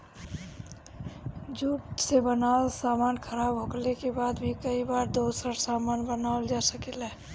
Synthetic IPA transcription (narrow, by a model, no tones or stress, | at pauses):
d͡ʒuːʈsebənaːlsamaːnkʰəɾaːbʱɦoklekebaːd̪bʱikəibaːɾd̪osəɾsaːmaːnbənaəld͡ʒasəkelɛː